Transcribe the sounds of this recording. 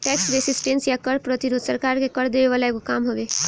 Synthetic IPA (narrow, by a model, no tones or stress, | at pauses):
ʈɛːksɾesɪsʈẽnsjakəɽpɾət̪iɾoːd̪səɾkaːɾkekɐɽd̪eːʋeʋaːlaekokaːmɦoːʋeː